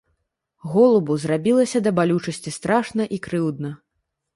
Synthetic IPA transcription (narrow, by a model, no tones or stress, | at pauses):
ɣɔlˠubuzrabʲilˠɐsʲɐd̪ɐbalʲut͡ʂɐsʲt͡sʲist̪ɾaʂnɐʔikɾɨwd̪nɐ